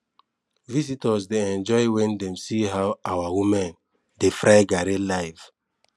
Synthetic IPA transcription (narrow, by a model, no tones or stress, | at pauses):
visitɔsdeɛ̃nd͡ʒɔɪwɛ̃ndɛ̃msiɦawawawumɛ̃n | defɹaɪɡaɾelaɪv